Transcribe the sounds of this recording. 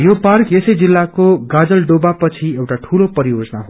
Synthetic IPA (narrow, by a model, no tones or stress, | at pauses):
joparkesʌjd͡zilːakoɡad͡zʌlɖobapʌt͡sʰiewʈaʈʰulopʌɾijod͡zʌnaɦo